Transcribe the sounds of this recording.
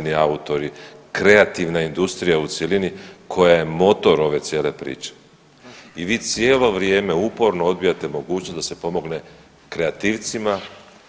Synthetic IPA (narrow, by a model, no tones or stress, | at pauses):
niaut̪o̞ɾikɾe̞at̪iʋnaind̪ust̪ɾijaut̪selinikʰo̞jaje̞mo̞t̪o̞ɾo̞ʋe̞t̪sje̞ːle̞pɾḭːt͡ʃe̥ | iʋiːt̪sjeːlo̞ʋɾje̞ːme̞upo̞ɾno̞o̞d̪bijat̪e̞mo̞ɡuːt͡ɕnosd̪ase̞po̞mo̞ɡne̞ | kɾeat̪iːʋt̪sima